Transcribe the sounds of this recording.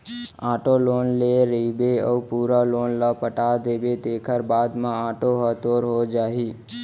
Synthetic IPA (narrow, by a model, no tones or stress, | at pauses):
ãʈolonleɾibeəupuɾalonləpəʈad̪ebed̪ekʰəɾbad̪mãaʈoɦət̪oɾɦod͡ʒaɦi